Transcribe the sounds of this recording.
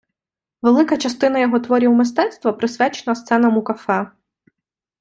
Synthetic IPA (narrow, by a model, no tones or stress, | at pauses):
ʋelˠɪkɐt͡ʃɐst̪ɪn̪ɐjɔɦɔt̪ʋɔɾʲiwmɪs̬t̪ɛt̪st̪ʋɐpɾɪsʲʋʲat͡ʃenɐst̪sɛnɐmʊkɐfɛ